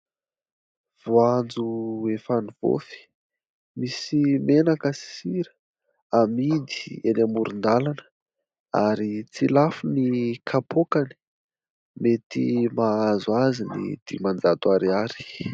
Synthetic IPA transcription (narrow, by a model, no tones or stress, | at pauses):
v̥oand͡zuefaniv̥o̰fi̥ | misimenakəsi̥siɾə̥ | amid̪i̥enamuɾund̪alanə̥ | aɾit͡silafunikʰapʰokani̥ | met̪ḭmaazuazinḭd̪̥ḭmand͡zat̪uaɾiaɾi̥